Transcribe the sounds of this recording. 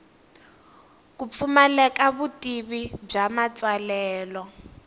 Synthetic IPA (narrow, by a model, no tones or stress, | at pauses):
k̬up̪fumɛlɛkaβutʼiβib͡ʐamat͡sʼalɛːlɔ